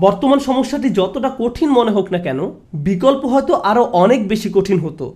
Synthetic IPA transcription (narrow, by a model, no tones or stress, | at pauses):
bɔɾt̪omanʃɔmoʃːaʈ̬id͡ʑɔt̪oʈakoʈʰinmoneɦoknakɛno | bikolpoɦɔet̪oʔaɾoʔɔnek̚beʃikoʈʰinɦot̪o̰